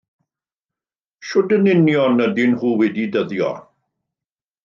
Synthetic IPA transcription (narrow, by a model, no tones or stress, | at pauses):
ʃʊdənɪnjɔnədɪnhuːwɛdidəðjɔ̰